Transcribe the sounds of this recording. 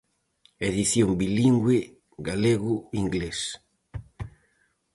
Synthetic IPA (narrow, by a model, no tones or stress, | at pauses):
eðiθjombiliŋɡwe | ɡaleɣuiŋɡles